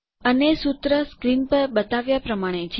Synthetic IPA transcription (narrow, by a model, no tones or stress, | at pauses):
ənesut̪ɾəskɾinpəɾbət̪aʋjapɾəmaɽ̃et͡ʃʰ